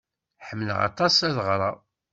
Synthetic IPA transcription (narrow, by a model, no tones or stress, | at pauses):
ħəmːələ̰ʁɑ̰t̪ˤɑsæðʁɾˤɑ